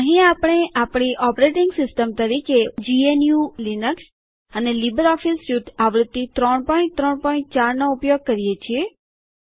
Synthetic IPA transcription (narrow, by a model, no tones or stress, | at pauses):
əɦĩapɽ̃eʔapɳ̃iʔɔpɾeʈiŋɡsɪsʈəmt̪əɾiked͡ʒienjulinəks | ənelibəɾɔfilsjud̪ʱaʋɾud̪ːit̪ɾəɳpɔĩɳʈt̪ɾəɳpɔĩɳʈ̚t͡ʃaɾnoupjoɡ̚kəɾijet͡ʃʰie